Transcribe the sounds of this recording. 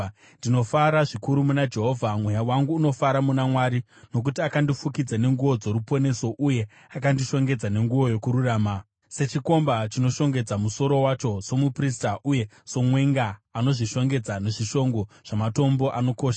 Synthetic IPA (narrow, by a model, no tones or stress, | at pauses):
ndinofaɾaʐikuɾumunad͡ʒe̞ɦovʱamwejawaŋɡuːno̞faɾamunamwaɾi | no̞k̬utiakandifukid͡zane̞ŋɡuʋo̞d͡zo̞ɾupo̞ne̞so̞ʔuje̞ | akandiʃo̞ŋɡe̞d͡zane̞ŋɡuwo̞jo̞kuɾuraːma | se̞t͡ʃiko̞mbat͡ʃino̞ʃo̞ŋɡe̞d͡zamuso̞ɾo̞wat͡ʃo̞so̞mupristaʔuje̞ | so̞mwe̞ŋɡaːno̞ʐiʃo̞ŋɡe̞d͡zane̞ʐiʃo̞ŋɡo̞ʐ̥amato̞mbo̞ʔano̞ko̞ːʃa